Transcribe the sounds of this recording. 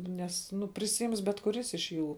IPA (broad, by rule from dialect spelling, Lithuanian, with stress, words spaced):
ˈnʲɛs ˈnʊ pʲrʲɪsʲɪˈɪms bʲɛt kʊˈrʲɪs ɪʃ ˈjuː